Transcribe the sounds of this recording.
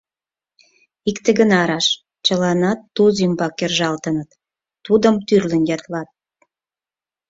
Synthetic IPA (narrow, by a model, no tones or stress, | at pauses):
ikt̪ĕɡənɑɾɑʃ | t͡ɕəlɑnɑt̪ːuzymbɑkːerʒɑlt̪ənət̪ː | ud̪əmt̪yrlə̆njɑt̪lɑt̪̚